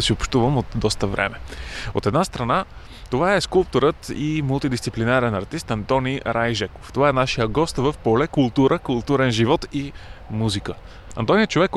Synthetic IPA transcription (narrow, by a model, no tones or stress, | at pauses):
siopʃt̪uvəmot̪̚d̪ɔst̪əvɾʔɛ̰mɛo̰t̪ɛd̪nast̪ɾɐna | t̪ovaɛskulˠp̚t̪oɾət̪imulˠt̪id̪ist̪siplinaɾɛnɐɾt̪ist̪ɐnt̪ɔniɾʔajʒɛko̥ft̪ovaɛnaʃijəɡɔst̪vəfpolɛkulˠt̪uɾʔəkulˠt̪uɾɛnʒivɔt̪imuzikə | ɐ̰nt̪ɔnijət͡ʃovɛkː